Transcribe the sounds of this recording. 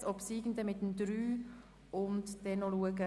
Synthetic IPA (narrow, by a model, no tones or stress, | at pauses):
ɔpsiːɡən̩dəmɪtəndɾyː | ʊntdɛnːoluəɡə